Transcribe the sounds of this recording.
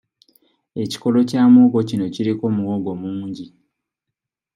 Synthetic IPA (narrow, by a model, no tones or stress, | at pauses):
e̞ci̥ko̞lo̞caːmoːɡo̞cino̞ciɾiko̞ːmuwoɡo̞muːɲɟi